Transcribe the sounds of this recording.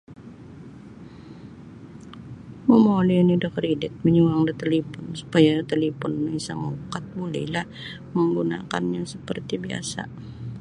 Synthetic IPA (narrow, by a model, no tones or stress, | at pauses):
məmolinidəkridɪt̪̚məɲuaŋdət̪elepɔnsu̥pajadət̪elepɔnmisaŋaukat̪̚bulɛ̰lah | məŋɡuna̰ka̰nɲasəpərt̪ibia̰sa̰